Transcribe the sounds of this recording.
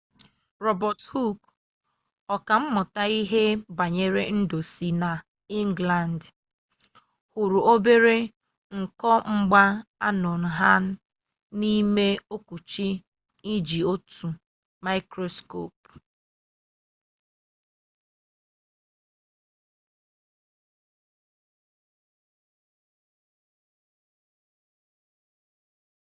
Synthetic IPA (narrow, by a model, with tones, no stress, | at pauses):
ɾɔ˦bɔ˨thu˦k | ɔ˨ka˨m̩˦mʊ˨ta˨i˦ɦe˦ba˨ɲe˨ɾe˦n̩˦do˨si˨na˨ | i˦ŋɡla˨n˨d | hu˨ɾu˨o˦be˦ɾe˦ | ŋ̩˨kɔ˦ŋ͡m̩˦ɡ͡ba˦a̰˦nɔ˨n̩˨ɦa˦n̩˦ | ni˦me˦o˦ku˨t͡ʃi˦ | i˦d͡ʒi˨o˦tu˨ | ma˦ɪ˦kɾo˦sko̰˦˨p